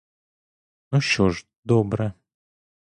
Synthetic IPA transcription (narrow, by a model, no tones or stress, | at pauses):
nuʃt͡ɕɔʐ | d̪ɔbɾɛ